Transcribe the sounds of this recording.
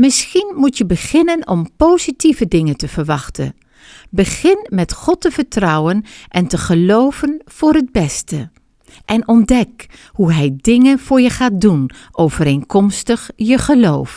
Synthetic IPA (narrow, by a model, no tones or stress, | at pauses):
mɪsχinmutjəbəχɪnənɔmpowzitivədɪŋəntəv̥əɹʋɑχtə̰n | bəχɪnmɛtχɔtəv̥əɹtrɑwənʔɛntəχəlowvənv̥ʊːɹɦəd̚bɛstə | ʔɛnɔndɛkhuɦɛjdɪŋənv̥ʊːɹjəχaːdunʔowvəɾenkɔmstəχjəχəlowf